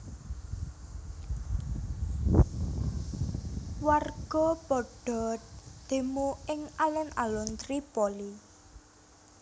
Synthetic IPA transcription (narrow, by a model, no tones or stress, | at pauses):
warɡ̥ɔ̤pɔɖ̥ɔ̤d̪̥e̤moɪŋalɛna̰lɔnt̪ɾipɔli